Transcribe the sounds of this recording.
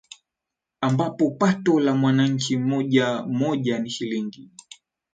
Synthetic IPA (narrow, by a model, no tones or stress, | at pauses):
ambapɔpatɔlamwanaɲ̩t͡ʃimɔʄamɔʄaniʃiliŋɡi